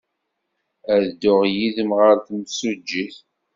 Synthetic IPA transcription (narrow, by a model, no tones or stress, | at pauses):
æðd̪ʊʁjiðəmʁəɾθəmsud͡ʒːiθ